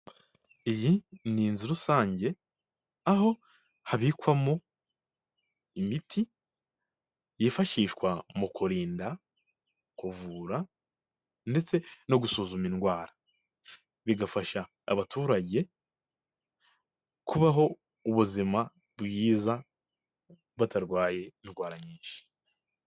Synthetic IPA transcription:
ijiniːnziɾusaːɲɟe̞ | aɦo̞ | haβiːkwamo | imitʰi | jeːfaʃiːʃkwamukuɾiːnda | kuvuːɾa | nde̞t͡se̞no̞ɡusuzuminɡwaːɾa | βiɡafaʃa̰ː | βatuːɾaɟe̞ | kuβaɦo̞ | uβuzima | bɡiːza | βataɾɡwaːje̞inɡwaːɾaɲiːnʃi̥

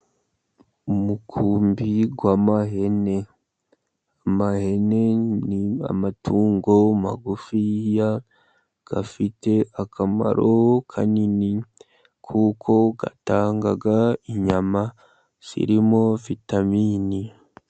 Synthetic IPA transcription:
umukʰuːmbiɡwamaɦe̞ne̞ | amahe̞ne̞nia̰matʰuːŋɡo̞ma̰ɡufija | ɡ̥afite̞akʰama̰ɾʔokʰa̰nini | kʰuːkʰo̞ɡa̰taːŋɡaɡaiɲama | z̥ḭɾimo̞vitamini

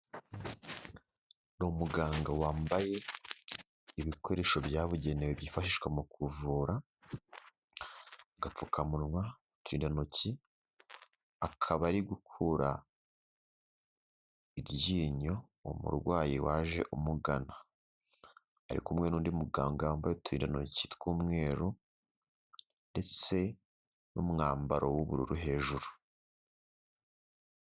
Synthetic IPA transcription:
nomuɡaːŋɡawaːmbaje̞ | iβikoɾe̞ʃo̞bjaːβuɟe̞neweβjiːfaʃiʃwemukuvuːɾa | ɡap͡fukʰamunŋwa | tiːndanoci | akʰaβaɾiɡukʰuɾa̰ | iɾɟiɲo̞wo̰mṵɾɡwaːjiwaːʒe̞̰ʔumuɡana | ɾḭkumŋe̞ːnuːndimuɡaːŋɡambajetuiːndanocitwuːmŋe̞ːɾu | nde̞t͡se̞ | numŋaːmbaɾʔowuβuɾṵɾuɦe̞ːʒuɾu

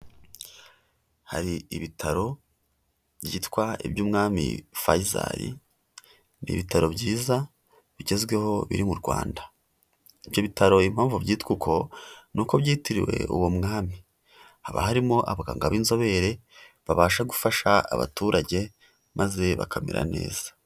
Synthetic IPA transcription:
ha̰ɾiiβitʰaɾo̞ | βjɟḭːtkwaḭbjuːmŋaːmḭfajiza̰ɾḭ | nḭβitaɾo̞βɟiːza | βiɟe̞zɡwe̞ho̞βḭɾimuɾɡwa̰ːnda | iβjo̞βitaɾo̞im̥haːɱvubɟiːtkukʰo̞nuko̞βɟiːtiɾḭwe̞̰ʔṵwomŋaːmi | haβa̰haɾimo̞ʔaβaɡa̰ːŋɡaβiːnzo̞βe̞ɾe̞ | βaβaːʃaɡufaʃaaβa̰tuːɾaɟe̞ | maze̞βa̰kʰamḭɾa̰ne̞̰ːz̥ḁ

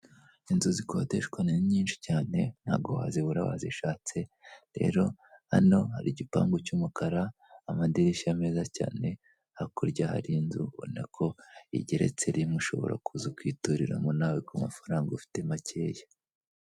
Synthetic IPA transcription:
inzuzikʰo̞te̞ʃkwananɲiːnʃi̥caːne̞n̥haːɡowa̰ːziβuɾawa̰ziʃaːt͡se̞ɾe̞̰ːɾo̞ha̰no̞haɾiɟipa̰ːŋɡocumukaɾaː | madiɾiʃameːzaca̰ːne̞ | hakoɾɟaha̰ɾinzuβo̰nekʰo̞ḭɟeɾe̞̰t͡se̞ɾimuʃo̞̰βo̞̰ɾʔa̰kʰuzukwiːtuɾiɾa̰munaːwikuma̰faɾaːŋɡaufi̥te̞macʰe̞ːja

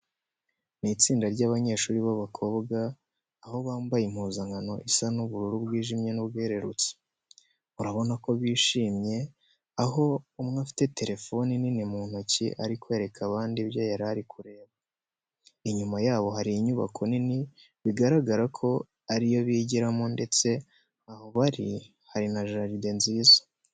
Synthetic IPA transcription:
nit͡siːndaɾɟaːβaɲe̞ːʃuːɾiβaβakʰo̞ːbɡaː | ɦo̞βaːmbajim̥huːzaŋɡano̞ʔisanuβuɾuɾubɡwiːʒimɲe̞nubɡeɾe̞ɾṵt͡se̥ | uɾaβo̞nako̞βiːʃiːmɲe̞ | aɦo̞umŋafi̥te̞te̞ɾʔe̞fo̞nininimuːn̥ucḭʔaɾikwe̞ːɾe̞kʰaβaːndiβjajaɾaɾikʰuɾe̞ːβa | iɲumajaːβo̞ɦaɾiiɲuβa̰kʰo̞nini | βiɡaɾaɡaɾakʰo̞ | aɾijo̞βiːɟiɾamonde̞t͡se̞ | ahoβaɾi | haɾinaʒaʒide̞nziːzḁ

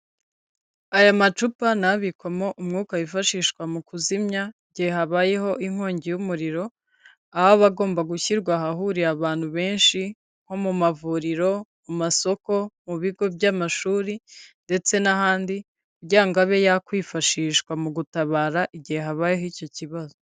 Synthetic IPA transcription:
ajamat͡ʃupanaβikwamo̞ʔumŋuːkajifaʃiːʃkwamukuzimɲaiɟihe̞haβaːjeho̞ʔiŋ̥oːɲɟijumuɾiɾo̞ | aaβaɡo̞ːmbaɡuçiɾɡwaɦaɦuɾiaβaːn̥huβe̞ːnʃi | ŋ̥ho̞mumavuːɾiɾo̞mumaso̞ko̞muβiɡo̞bjamaʃuːɾinde̞t͡se̞nahaːndi | kuɾɟiaŋɡaβe̞jakwiːfaʃiːʃkwamuɡutaβaːɾaʔiɟihe̞ɦaβaːjeɦico̞ciβazo

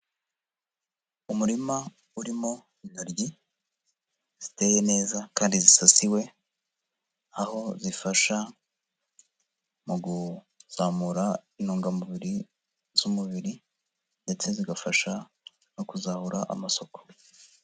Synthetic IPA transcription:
umuɾima | uɾimo̞ | inaɾɟi | z̥ite̞je̞ne̞ːzakaːndizisasiwe̞ | aho̞zifaʃa | muɡu | zaːmuɾainoːŋɡamuβiɾi | z̥umuβiɾi | nde̞t͡se̞ziɡafaʃa | no̞kuzahuɾaʔa̰maso̞ko̥

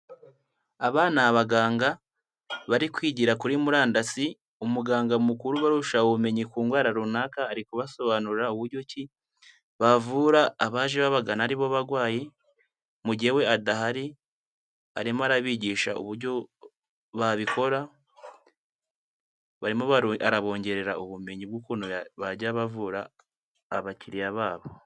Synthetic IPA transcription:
aβaːnaβaɡaːŋɡa | βaɾikwiːɟiɾakuɾimuɾaːndasi | umuɡaːŋɡamukuɾuβaɾuʃaume̞ɲikuːŋɡwaːɾaɾunakaːɾikuβaso̞βanuɾauβuɾɟo̞ci | βavuːɾaːβaːʒeβaβaɡanaːɾiβoβaɾɡwaːje̞ | muɟihewe̞adaɦaɾi | a̰ɾimoaɾaβiːɟiːʃa̰ṵβuɾɟo̞ | βaβiko̞ɾa | βaɾimoβaaɾaβo̞ːɲɟe̞ɾe̞ɾauβume̞ɲibɡukunoaβaɟaβavuɾa̰ː | βaciɾiaβaːβo̞

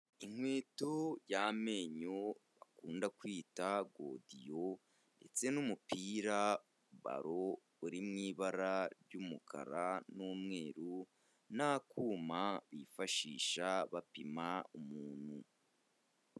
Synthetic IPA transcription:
iŋ̥we̞ːtojame̞ɲoβakuːndakwiːtaɡo̰dijo | nde̞̰t͡se̞numupiːɾa | βa̰ɾo | uɾimŋiːβaɾaɾɟumukʰa̰ɾanuːmŋe̞ːɾu | nakʰumaβifaʃiːʃaβapimaumuːn̥hu

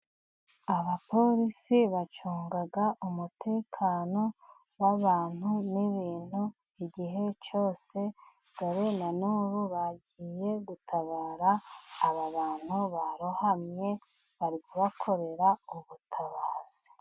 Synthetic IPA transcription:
aβapo̞ɾisiβat͡ʃuːŋɡaɡaʔumutʰe̞ːkʰaːno̞ | βaβaːn̥huniβiːn̥hu | iɟiɦe̞t͡ʃo̞ːse̞ | ɡ̥aɾenanuːβuβaɟije̞ɡutʰaβaːɾaːβaβaːn̥huβaɾohamɲe̞ | βaɾiɡuβakʰo̞ɾe̞ɾauβutʰaβaːz̥i̥

